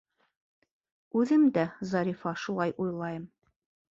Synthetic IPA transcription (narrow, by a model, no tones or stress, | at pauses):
ʉðɘmd̪æzɑɾʲifɑʃulˠɑjʔujlˠɑjɤm